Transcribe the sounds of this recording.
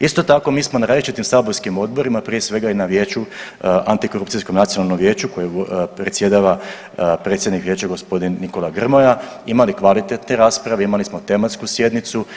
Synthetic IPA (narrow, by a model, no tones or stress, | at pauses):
ist̪o̞t̪ako̞miːsmo̞naɾaːzlit͡ʃit̪imsaːboɾskimo̞d̪̚bo̞ɾimapɾije̞sʋe̞ɡainaʋje̞ːt͡ʃuant̪iko̞ɾupt̪sisko̞mnat̪io̞nalno̞mʋje̞ːt͡ɕuko̞jepɾet̪sje̞d̪aʋa | pɾe̞t̪sjed̪nikʋje̞ːt͡ʃaɡo̞spo̞d̪inːiko̞laɡr̩mo̞jaimalikʋalit̪e̞t̪ne̞ɾaːspɾaʋeimalismo̞t̪e̞mat̪skusje̞d̪nit̪su